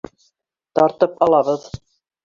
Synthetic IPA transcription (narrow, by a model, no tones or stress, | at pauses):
t̪ɑɾt̪ɤpɑlˠɑβɤð